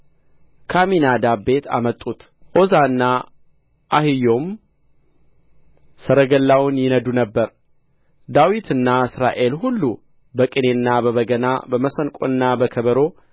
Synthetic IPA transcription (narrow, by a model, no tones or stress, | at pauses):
kʰaminad̪abe̞t̪ʰa̰mət̪ʼut̪ | ʔo̞zaɨnːa | ʔahɨjo̞m | səɾəɡəlːawʊnjɪnəd̪unəbːəɾ | d̪awit̪ʰɨnːaɨsɾa̰ʔe̞lɦulːu | bəkʼɨne̞nːabəβəɡəna̰bəməsənkʼo̰ɨnːabəkʰəβəɾo̞